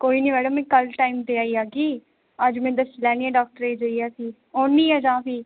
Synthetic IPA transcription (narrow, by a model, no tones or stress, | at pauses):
koːiːnĩːʋɛːɽəmɛ̃ːkəlʈaːiːmd̪eːaːiːaːɡiː | əd͡ʒmɛ̃ːd̪əslɛːnĩːɛ̃ːɖaːk̚ʈəɾeːd͡ʒəiːɛːsiː | oːnːiːɛːd͡ʒãːpiː